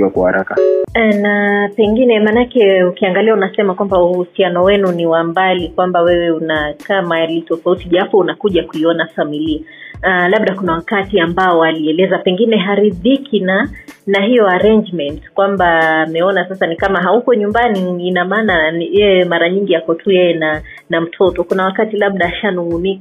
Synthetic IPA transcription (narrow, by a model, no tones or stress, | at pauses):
iwakahaɾakanapɛŋɡinɛmanakɛukiaŋɡaliaunasɛmakwambauhusianɔwɛnuniwambalikwambawɛwɛunakamaalitɔfautiʄafuunakuʄakuiɔnafamilia | laɓ̚ɗakunawakatiambaɔwaliɛlɛzapɛŋɡinɛɦaɾiðikʰinanaɦijɔaɾɛnd͡ʒmɛntkwambaːmɛɔnasasanikamaɦaukɔɲumbaniːnamaːnajɛjɛmaɾaɲiŋɡiakɔtʰujɛjɛna | nam̩tʰɔtɔkunawakatilaɓ̚ɗaːʃanuɣunik